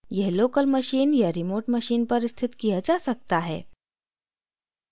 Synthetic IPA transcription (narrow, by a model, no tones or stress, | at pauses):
jɛɦlokəlməɕiːnjaɾimoɾʈməɕiːnpəɾst̪ʰit̪kijəd͡zasək̚t̪aɦɛ̰